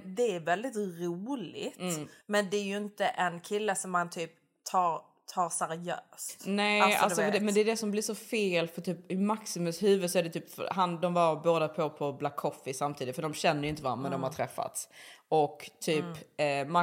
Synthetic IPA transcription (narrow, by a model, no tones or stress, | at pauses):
d̪ɛːɾvɛld̪ɪt̪ɾuːlɪ̰ɡt̪mɛnd̪ɛæɾjɵɪnt̪əʔɛnkʰɪlːəsɔmːant̪ʰyːp | t̪ʰɑːɾ | t̪ʰɑːɾsæɾɪjøːst̪nɛla̰lsɔd̪ɛmɛnd̪ɛæːɖɛsɔmblɪsɔfeːlfœʈ̪ʰyːpɪmaksɪmɵshʉ̟ːvəd̪sɔæɖɛt̪ʰyːpfœ̰ɾɦand̪ɔmvaɾboːd̪apʰɔpʰɔblakʰːɔfɪsamt̪ʰiːd̪ɪt̪fəɖɔmɕɛnːəɾjʏɪnt̪̬əva̰mɛnd̪ɔmhaɾtʰɾɛfːa̰t̪sʔɔkːt̪ʰyːpːma